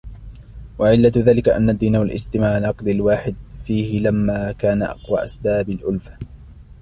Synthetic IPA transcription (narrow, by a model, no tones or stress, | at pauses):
waʕɪlːaðaːlɪkaʔa̰nːad̪ːiːnawalʔɪst̪ɪmaːʕnɑːqd̪alwaːħɪd̪̚fiːhɪlamːaːkaːnaʔɑ̰qwa̰ːʔa̰sbaːbalʔʊlfa